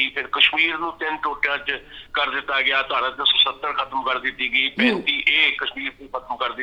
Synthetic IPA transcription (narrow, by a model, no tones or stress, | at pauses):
iːpʰɪɾkəʃmiːɾnũːt̪ɪnʈoːʈːãːt͡ʃkəɾd̪ɪt̪ːaːɡɪaːt̪ʊaːɽãːd̪õsoːsət̪ːəɾkʰət̪əmkəɾd̪ɪt̪ːiːɡəiːpɛ̃ːnt̪iːʔeːkəʃmiːɾt̪eːkʰət̪əmkəɾd̪ɪ